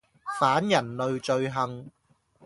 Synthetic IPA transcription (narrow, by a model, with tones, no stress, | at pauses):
faː˨˥njɐ˨˩nlɵ˨ɥt͡ʃɵ˧ɥɦɐ˨˧ŋ